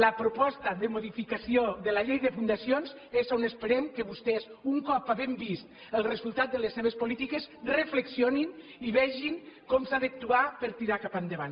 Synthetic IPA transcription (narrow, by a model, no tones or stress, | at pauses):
ləpɾopɔst̪əðəmoðifikasioðəlaʎejðəfund̪asionz | ezonəspəɾɛmkəβust̪ɛzuŋkɔpaβɛmbist̪ | əlˠrəzulˠt̪at̪̚d̪ələsːeβ̞əspolit̪ikezrəfləksionin | iβɛʒiŋkɔmsaðəak̚t̪uapəɾt̪iɾakapand̪əβ̞an